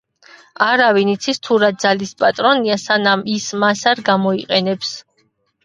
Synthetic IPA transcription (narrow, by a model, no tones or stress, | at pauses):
aɾavinit̪sʰist̪ʰuɾad̪zalispʼat̪ʼɾɔniasanamismasaɾɡamɔiqʼɛnɛps